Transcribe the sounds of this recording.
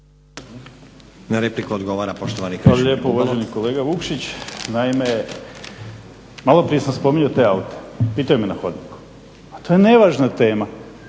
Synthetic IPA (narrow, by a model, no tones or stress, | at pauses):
naɾeplikuod̪ɡoʋaɾapoʃt̪oʋanikaloʎe̞ːpouʋaʒeniko̞le̞ːɡaʋukʃit͡ɕnaime | malˠo̞pɾije̞samspo̞miɲot̪e̞ːaut̪e̥piːt̪ajumenaxo̞d̪niku̥ | at̪ojene̞ʋaːʒnat̪e̞ːma